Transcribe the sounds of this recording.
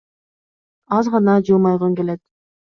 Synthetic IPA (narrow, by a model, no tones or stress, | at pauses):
ɑzʁɑnɑd͡ʒɯlˠmɑjʁoŋɡelet̪̚